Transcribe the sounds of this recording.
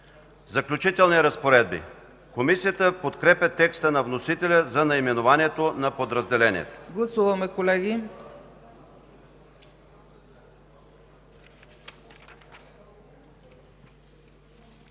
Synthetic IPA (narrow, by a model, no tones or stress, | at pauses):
zɐklʲut͡ʃit̪ɛlˠniɾɐspoɾɛd̪̚bḭ | komisijət̪əpot̪kɾɛpʲət̪ɛkst̪ənɐvnosit̪ɛlʲəzɐnɐimɛnovaniɛt̪onɐpod̪ɾəzd̪ɛlɛnʲḭɛ̰t̪o̥ɡlˠɐsuvɐmɛkolɛɡi